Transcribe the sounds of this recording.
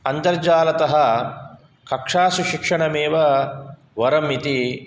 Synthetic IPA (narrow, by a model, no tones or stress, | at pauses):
ɐnd̪ɐɾd͡ʒaːlɐt̪ɐɦɐ | kɐkʂaːsuʃikʂɐɳɐmeːʋɐ | ʋɐɾɐmit̪i